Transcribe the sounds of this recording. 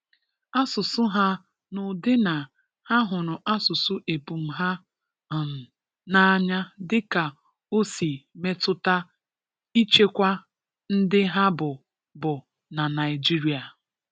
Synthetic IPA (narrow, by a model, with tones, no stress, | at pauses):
a˦sʊ˨sʊ˦ɦa˦ | nʊ˨dɪ˦na˨ | ha˦ɦʊ˨ɾʊ˨ʔa˦sʊ˨sʊ˦ʔe˨pu˨m̩˦ɦa˦˨ | na˦ɲa˦dɪ˦ka˨ | o˦si˨me˦tʊ˦ta˦ | i˦t͡ʃe˦kʷa˦ | n̩˦dɪ˦ɦa˦bʊ˨ | bʊ˨ | na˨na˨ɪ˨d͡ʒi˦ɾi˨a˨